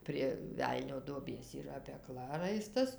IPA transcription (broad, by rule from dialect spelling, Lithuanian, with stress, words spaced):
pʲrʲiɛ ˈʋʲɛlʲnʲoː duɔˈbʲeːs iːˈrɐ pʲɛˈklˠɐ ˈrɐɪstɐs